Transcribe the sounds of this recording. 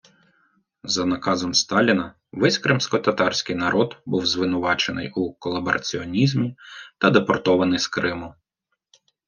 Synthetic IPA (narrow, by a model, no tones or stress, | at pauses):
zɐnɐkɑzɔmst̪ɑlʲinɐ | ʋɪsʲkɾɪmsʲkɔt̪ɐt̪ɑrsʲkɪjnɐɾʔɔd̪buwzʋɪnʊʋɑt͡ʃenɪ̰jukɔlˠɐbɔɾʔɐ̰t͡sʲiɔnʲizʲmʲit̪ɐd̪epɔrt̪ɔʋɐnɪjskɾɪmʊ